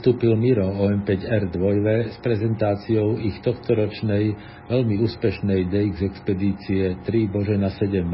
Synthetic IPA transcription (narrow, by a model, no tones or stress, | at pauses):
t̪uːpilmiɾɔɔɛmpɛɟɛɾd̪ʋɔjʋɛspɾɛzɛnt̪aːt͡siɔʊixt̪ɔxt̪ɔɾɔt͡ʃnɛj | ʋɛʎmiuːspɛʃnɛjd̪ɛiɡzɛkspɛd̪iːt͡siɛt̪ɾibɔʒɛnasɛɟɛm